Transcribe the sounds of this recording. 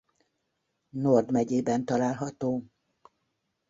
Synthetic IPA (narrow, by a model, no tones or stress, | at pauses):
nord̪mɛɟeːbɛnt̪ɒlaːlɦɒt̪oː